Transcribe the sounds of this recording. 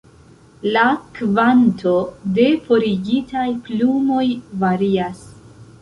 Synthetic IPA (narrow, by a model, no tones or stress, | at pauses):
lakvantʰo̞de̞fo̞ɾiɡitʰajplumo̞jvaɾias